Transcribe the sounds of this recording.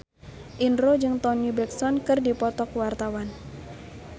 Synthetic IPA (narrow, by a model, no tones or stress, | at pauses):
ʔinɾod͡ʒɨŋt̪ɔnibɛksɔnkɨrdipɔt̪ɔkwart̪awan